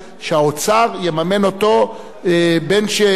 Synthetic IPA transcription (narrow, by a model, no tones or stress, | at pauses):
ʃeaot͡saʁjemame̞no̞to̞ | benʃe